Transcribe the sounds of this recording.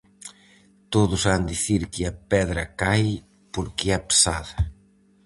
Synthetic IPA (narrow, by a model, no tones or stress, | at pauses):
t̪oðʊsand̪iθiɾkɪɐpɛðɾɐkaj | poɾkɪɛpe̥saðɐ